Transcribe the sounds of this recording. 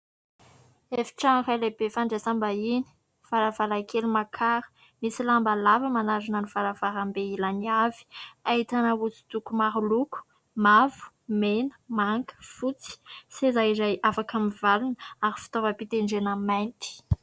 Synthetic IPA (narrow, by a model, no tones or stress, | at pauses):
efi̥ʈ͡ʂaŋralebefaɳɖ͡ʐesambaini̥ | faɾavalakʰelimakʰaɾə̥ | misilambalavəmanazunanivalavaɾambeilaniavi̥ait̪anawut͡su̥t̪ukumaɾuluku̥ | mavu̥ | menə̥maŋkə̥fut͡si̥sezajizajafakamivalunaɾifi̥t̪ovəpit̪eɳɖ͡ʐenamajnt̪i̥